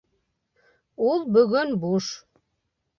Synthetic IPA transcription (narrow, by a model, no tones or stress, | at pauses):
ulˠbɵɣɵnbuʃ